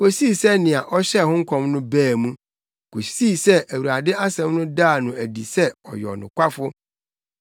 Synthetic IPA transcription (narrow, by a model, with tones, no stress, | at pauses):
ko˨siː˦˨sɛ˦nɪ̃˨a˨ʔɔ˦ɕɛ˦˨hʊ̃˦ŋ̩˦kʰɔ̃˦mnʊ̃˦bæː˦˨mũ˦ | ko˨si˦˨sɛ˦ʔæ˨wu˨ɾa˨dɪ˦a˦sɛ̃˦mnʊ̃˦daː˦˨nʊ̃˨æ˨di˨sɛ˦ɔ˨jɔ̰˨nʊ̰̃˨kʷa˦fʊ˦